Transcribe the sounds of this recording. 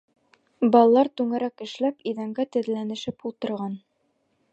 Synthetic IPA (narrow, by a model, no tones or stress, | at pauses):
bɒlˠlˠɑɾt̪ʉŋɘ̆ɾækɘ̆ʃlæpiðæŋɡæt̪ɘ̆ðlænɘ̆ʃɘpulˠt̪ɤ̆ɾʁɑn